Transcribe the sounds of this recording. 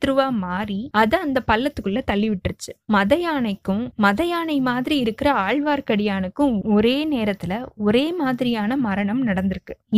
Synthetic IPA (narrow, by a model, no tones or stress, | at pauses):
t̪ɪɾɯʋaːmaːɾiɐðɐɐnd̪ɐpɐlːɐt̪ːɯkːɯɭːɐt̪ɐɭːɪʋɪʈːɪɾɯt͡ʃːɯmɐðɐjaːnɐɪkːɯ̃mɐðɐjaːnɐɪmaːðɪɾiɪɾɯkːɪɾɐaːɻʋaːɾkɐɽɪjaːnɯkːɯ̃ɔɾeːneːɾɐt̪ːɪlɐɔɾeːmaːðɪɾɪjaːnɐmɐɾɐɳɐmnɐɽɐnd̪ɪɾɯkːɯ